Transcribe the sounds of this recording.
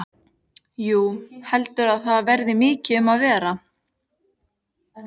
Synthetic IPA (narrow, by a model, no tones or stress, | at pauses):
juːhɛlt̪ʏɾaðθaðvɛɾðɪmɪːcɪʏmaðvɛːɾa